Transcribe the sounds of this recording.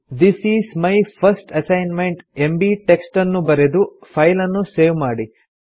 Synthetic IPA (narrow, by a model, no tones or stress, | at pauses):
d̪isiːsmɐjpʰɐɾsʈɐsɐjnmeɳʈembiʈeksʈɐnːubɐɾed̪upʰɐjlɐnːuseːʋmaːɽi